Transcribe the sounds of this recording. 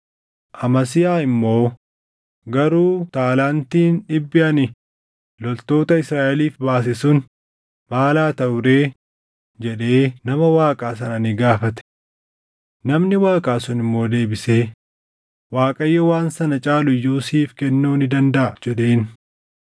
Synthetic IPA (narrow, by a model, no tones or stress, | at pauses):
ʔɐmɐsɪjaːɪmːo̞ː | ɡɐɾuːt̪aːlaːnt̪iːnᶑɪbːɪʔɐnɪ | lɔlt̪o̞ːt̪ɐɪsɾaːʔɛliːfbaːs̬ɪsʊn | maːlaːt̪ɐʔʊɾeː | d͡ʒɛᶑe̞ːnɐmɐwaːkʼaːs̬ɐnɐnɪɡaːfɐt̪ɛ̥ | nɐmnɪwaːkʼaːsʊnɪmːo̞ːd̪e̞ːbɪse̞ː | waːkʼɐjːɐwaːnsɐnɐt͡ʃʼaːlʊjːuːsiːfkɛnːuːnɪd̪ɐnd̪ɐʔɐd͡ʒɛɗe̞ːn